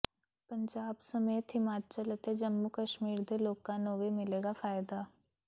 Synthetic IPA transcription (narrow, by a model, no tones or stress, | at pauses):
pɐ̃ɲd͡ʒaːbsɐmeːt̪ɦɪmaːt̪̚t͡ʃələt̪ed͡ʒɐmːukəʃmiːɾd̪eloːɡkːanoːʋemɪleːɡafaːjd̪aː